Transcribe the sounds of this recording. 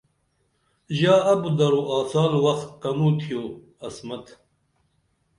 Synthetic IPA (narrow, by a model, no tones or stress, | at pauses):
ʒaːɐbɨd̪ɐɾuʔaːsaːlwɐxt̪̚qɐmuːt̪ʰijoː | ɐsmɐt̪